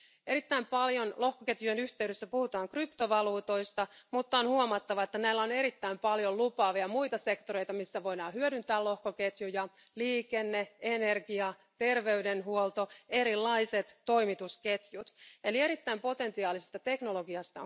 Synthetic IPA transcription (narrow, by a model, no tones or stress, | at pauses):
e̞ɾit̪ːæimpɑljo̞nlo̞hkoket̪jyjenyht̪e̞yɾesːæpuhut̪ɑːŋkrypt̪o̞ʋɑluːt̪o̞ist̪ɑmut̪ːɑonhuomɑt̪ːɑʋɑet̪ːænæilːæone̞ɾit̪ːæimpɑljo̞llupɑːʋiɑmujt̪ɑse̞kt̪o̞ɾe̞jt̪ɑmisːæʋo̞idɑːhyødynt̪æːlo̞hkoke̞t̪jujɑ | liːkenːeene̞rɡiɑ | t̪e̞rʋe̞ydenɦuolt̪o̞e̞ɾilːɑise̞t̪ːo̞jmit̪uske̞t̪jut̪e̞lie̞ɾit̪ːæimpo̞t̪e̞nt̪iɑːlisest̪ɑt̪e̞kno̞lo̞ɡiɑst̪ɑ̰